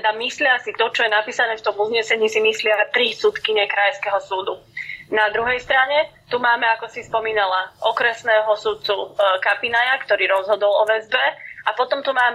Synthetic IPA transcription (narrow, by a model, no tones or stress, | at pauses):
ɛd̪amislɪasikt̪ɔt͡ʃɔjɛnapiːsanɛːft̪ɔmuzɲɛsɛɲiːsimislɪat̪ɾisut̪kiɲɛkɾajskɛɦɔsuːd̪unad̪ɾuɦɛjst̪ɾaɲɛt̪umaːmɛakɔsispɔmiːnalaʔɔkɾɛsnɛːɦɔsut̪̚t͡sukapinajakt̪ɔɾiːɾɔzɦɔd̪ɔlɔʋɛzbɛʔapɔt̪ɔmt̪umaːmɛ